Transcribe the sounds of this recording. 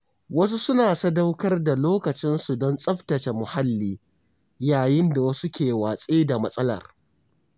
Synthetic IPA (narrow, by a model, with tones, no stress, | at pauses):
wɐ˦s̬u˦sʊ˦naː˨sɐ˦da˦wkɐ˦rda˨loː˦kɐ˨t͡ʃɪ˦nsu˨dɔ˦nsʼɐ˦ɸtɐ˨t͡ʃe˨mʊ˨ha˦lːiː˦ | jaː˨jɪ˦nda˨wɐ˦su˦kʲeː˨waː˨sʼeː˦da˨mɐ˦sʼɐ˦lɐ̰˨r